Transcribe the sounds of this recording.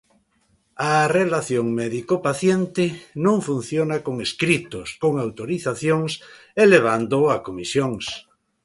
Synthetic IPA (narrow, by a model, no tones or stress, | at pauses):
arelaθjoŋmɛðikopaθjent̪ɪnõŋfun̟θjonakoŋeskɾit̪oskoŋawt̪oɾiθaθjoŋs | eleβ̞and̪oakomisjoŋs